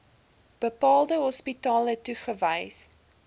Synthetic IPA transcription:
b̥əpɑːlˠdəɦɔspitɑːlətuχəvəjs

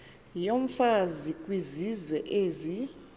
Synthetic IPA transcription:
jom̩fazikʼwizizwɛʔezi

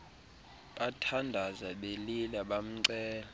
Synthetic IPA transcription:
ɓatʰandʱazaɓelilaɓam̩ǀɛːlɔ

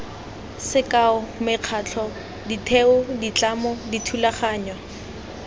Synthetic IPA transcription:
sɪkaʊmɪq͡χʰaːt͡ɬʰɔ | ditʰeʊdit͡ɬamɔditʰulaχaːɲwa

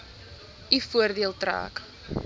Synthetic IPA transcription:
ifuərdiəlˠtra̰ːk

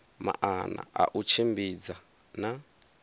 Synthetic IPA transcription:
ma̰ʔana̰ʔa̰ʔut͡ʃʰimbid͡za | na

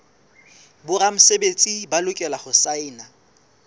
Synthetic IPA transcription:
bʊramʊsebet͡sʼibalʊkʼɛlahʊsaɪːna

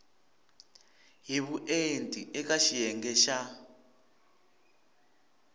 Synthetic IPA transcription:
ɦiβuʔentʼiʔɛkaʃijɛŋɡɛʃa

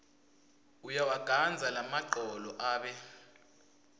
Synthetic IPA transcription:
ujawaɡ̥ʱand͡zʱalamaǃɔlɔʔaːɓɛ

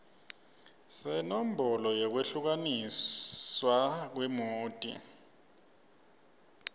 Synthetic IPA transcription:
sɛnom̩bʱɔlɔjɔk̬weɬuk̬anisswak̬wɛmoːtʼḭ

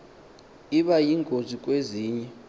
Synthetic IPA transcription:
iɓajiŋɡʱozʱikʼweziːɲɛ

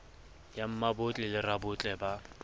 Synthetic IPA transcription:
jam̩mabʊt͡ɬʼɛlɪrabʊt͡ɬʼɛba

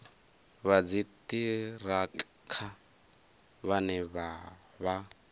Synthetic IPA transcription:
βad͡zitʼira | kʰa | βanɛβa | βa

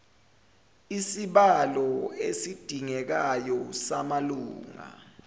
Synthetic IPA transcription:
isiɓalɔesid̥ʱiŋɛk̬ajɔsamaluːŋa̰

